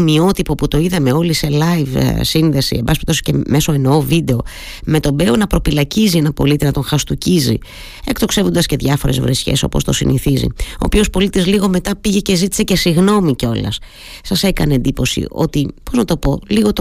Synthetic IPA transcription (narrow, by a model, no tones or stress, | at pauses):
mio̞t̪ipo̞put̪o̞iðɐme̞o̞lise̞lɐjvsinðe̞sḭembɐspi̥t̪o̞si̥ceme̞so̞enoovid̪e̞o̞ | me̞t̪o̞be̞onɐpɾo̞filɐcizienɐpo̞lit̪inɐt̪oŋxɐst̪ucizḭ | e̞̰kt̪o̞kse̞vund̪ɐsce̞ðʝɐfoɾe̞zvɾesçe̞̰so̞̰po̞st̪o̞sḭnʔiθizḭo̞̰pio̞spo̞lit̪izliɣo̞me̞t̪ɐpiʝe̞ce̞zit̪i̥se̞ce̞siɣno̞miceo̞lɐ̰s | sɐse̞kɐneend̪ipo̞sḭʔo̞̰t̪ipo̞znɐt̪o̞po̞liɣo̞t̪